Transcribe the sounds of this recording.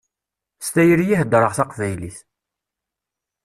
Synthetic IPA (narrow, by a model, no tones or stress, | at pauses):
st̪æjəɾjihəd̪ɾˤəʁθɑqvæjliθ